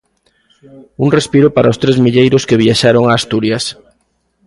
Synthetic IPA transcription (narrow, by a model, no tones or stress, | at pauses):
uŋrespiɾʊpaɾaost̪ɾezmiʎejɾʊskeβiaʃaɾoŋaːst̪uɾjas